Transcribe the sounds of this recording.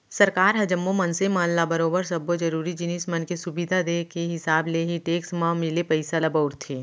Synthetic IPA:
sɐɾkaːɾɦɐd͡ʒəmːomɐnsemãːnlabɐɾoːbəɾsɐbod͡ʒɐɾuːɾid͡ʒɪniːsmɐnkesʊbɪd̪ʱad̪eːkeɦɪsaːbleɦiʈeːksmãmɪlepɐɪsalɐbəʊɾt̪ʰeː

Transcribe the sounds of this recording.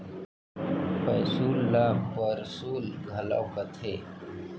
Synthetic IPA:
pɐjsuːlːaːmpəɾsuːlɡʱɐla̰ːkət̪ʰeː

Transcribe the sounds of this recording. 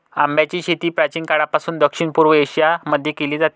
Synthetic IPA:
ambjat͡ɕiːɕet̪iːpɾat͡ɕiːnkaɽapasuːnd̪əkʂiɳpuɾʋəeɕijaməd̪ʱːjekeliːd͡zat̪i

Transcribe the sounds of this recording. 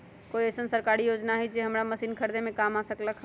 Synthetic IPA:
kojesənsəɾkaɾijod͡ʒnaɦɛjd͡ʒeɦəmɾaməsinkʰəɾd̪emekamasəkləkʰ

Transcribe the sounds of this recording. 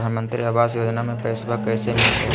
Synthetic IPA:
aːnmə̃nt̪ɾiaʋaːsjoːd͡ʒnamẽpɛːsbakɛːsemɪlt̪ɦɛ

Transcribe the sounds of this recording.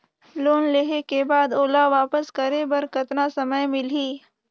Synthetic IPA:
loːnleːɦekebaːd̪oːlaʋaːpəskəɾebɐɾkɐt̪nasɐməjmɪliː

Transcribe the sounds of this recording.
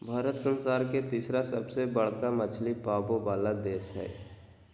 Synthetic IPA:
bʱaːɾət̪sənsaːɾket̪isɾasəbsebəɽ̤kamət͡ʃʰlipaːbobaːlad̪eːʃɦɛ̰ː

